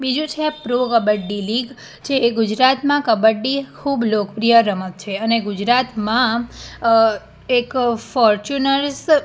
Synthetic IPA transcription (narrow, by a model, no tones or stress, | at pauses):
bid͡ʒũt͡ʃʰeapɾokəbəɖɖiliɡ | t͡ʃʰeːɡud͡ʒɾat̪mãkəbəɖikʰublokəpɾijəɾəmək̪̚t͡ʃʰeəneɡud͡ʒɾat̪mã | ekfɔɾt͡ʃunəɾs